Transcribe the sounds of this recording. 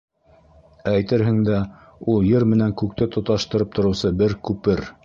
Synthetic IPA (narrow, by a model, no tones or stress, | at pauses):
æjt̪ɘɾɦɘ̆ŋd̪æ | ulˠjɤɾmɘ̆næŋkʉk̚t̪ɘt̪ŏt̪ɑʃt̪ɤ̆ɾɤp̚t̪ʰŏɾɤ̆wsɤbɘɾkʉpɘɾ